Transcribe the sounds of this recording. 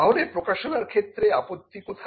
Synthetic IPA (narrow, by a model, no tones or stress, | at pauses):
aɦolepɾokaʃonaɾkʰet̪ːɾea̰pot̪ːikot̪ʰ